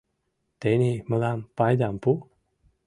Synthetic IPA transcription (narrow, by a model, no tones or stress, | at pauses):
t̪eniməlampajd̪ampu